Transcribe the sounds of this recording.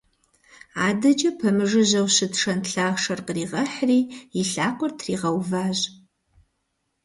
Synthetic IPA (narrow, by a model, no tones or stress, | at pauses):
aːdɐd͡ʒɐpʰɐmɨʐɨʑɐwɕɨtʂɐnɬaːʂɐrqəriːʁɐħriːiɬaːqʷʼɔrtʰriːʁɐwvaːʑ